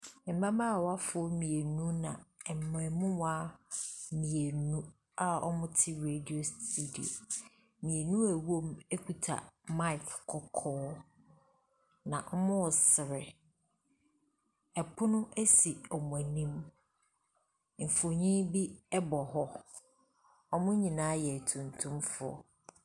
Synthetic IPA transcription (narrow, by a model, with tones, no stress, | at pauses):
m̩˨bã˦ma˦˨wa˦fʊ˦ɔ˦mĩ˨e˨nũ˦nã˨ɛ˨mʊ̃˨ɛ˨mʊ̃˦wa˦ | mĩ˨e˨nũ˦ | a˦ɔ̰˦mʊ̃˦tʰɪ˦ɾe˨di˨o˨sti˦dḭ˨o̰˨ | mĩ˨e˨nũ˦æ˨wu˦o˦me˦kʰu˨tʰa̰˨mã˦ɪ˨kkʰːɔ˨kʰɔː˦ | nã˨ʔɔ˦mʊ̃˦wɔ˨sɪ˨ɾɪ˨ | ɛ˨pʰʊ˦nʊ̃˦æ˦si˨ɔ˨mʊ̃˨æ˨nĩ˦m | m̩˨fo˨ɲĩ˦bi˦ɛ˦bɔ˨ɦɔ˦ | ɔ˦mʊ̃˦ɲĩ˨nãː˦jɛ˨tʰũ˨ntʰũ˦mfʊ̰˦ɔ̰˦